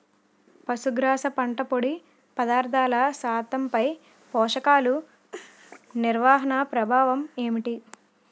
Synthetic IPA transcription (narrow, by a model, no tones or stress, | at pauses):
pɐsuɡɾaːsɐpɐɳʈɐpoɽi | pɐd̪aːɾt̪ʰaːlɐsaːt̪ɐmpɐj | pɔːʂɐkaːlu | niɾʋaːɦɐnɐpɾɐbʱaːʋɐmeːmiʈi